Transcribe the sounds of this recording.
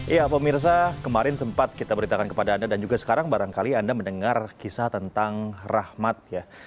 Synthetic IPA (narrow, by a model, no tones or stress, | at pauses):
japəmirs̬akəmaɾɪnsəmpat̪̚kit̪abəɾit̪akankə̥padaːndadand͡ʒuɡasə̥kaɾaŋbaɾaŋkaliandamənəŋarkisat̪ənt̪aŋrahmat̪̚ja